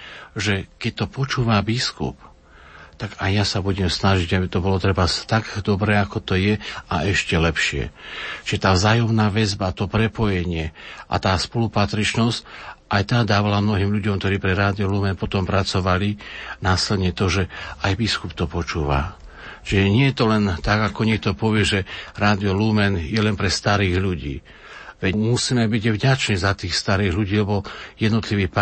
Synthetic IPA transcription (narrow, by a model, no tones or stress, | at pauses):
ʒɛkɛc̚t̪ɔpɔt͡ʃuːʋabiskṵp | t̪aɡajjasabuɟɛmsnaʒiɟabit̪ɔbɔlɔt̪ɾɛbat̪aɡd̪ɔbɾɛːakɔt̪ɔjɛaɛʃcɛlɛpʃɪɛ̰t͡ʃiʒɛt̪aːvzaːjɔmnaːʋɛzbat̪ɔpɾɛpɔjɛɲɪɛʔa̰t̪aːspɔlupat̪ɾit͡ʃnɔscʔajt̪ad̪aːʋalamnɔɦiːmʎuɟɔmkt̪ɔɾiːpɾɛɾaːd̪iɔlumɛnpɔt̪ɔmpɾat͡sɔʋalinaːslɛd̪ɲɛt̪ɔʒɛajbiskupt̪ɔpɔt͡ʃuːʋa̰ | t͡ʃiʒɛɲɪɛjɛt̪ɔlɛnt̪aɡakɔɲɛk̚t̪ɔpɔʋɪɛʒɛɾaːd̪iɔlumɛnjɛlɛnpɾɛst̪aɾiːɣʎuɟḭː | ʋɛmusiːmɛbiɟavɟat͡ʃniːzat̪iːxst̪aɾiːɣʎuɟiːlɛbɔjɛd̪nɔt̪liʋiːpa